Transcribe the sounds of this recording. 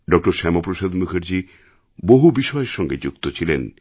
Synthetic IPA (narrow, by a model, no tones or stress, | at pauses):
ɖɔk̚ʈoɾʃɛmopɾoʃad̪mukʰeɾd͡ʑi | boɦubiʃɔeɾʃɔŋɡed͡ʑuk̚t̪ot͡ɕʰilen